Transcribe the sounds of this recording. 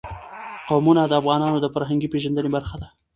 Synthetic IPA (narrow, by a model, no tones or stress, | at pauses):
qawmunad̪əafɣɑnɑnod̪əfaɾɦaŋɡipeʒand̪ənebaɾxad̪a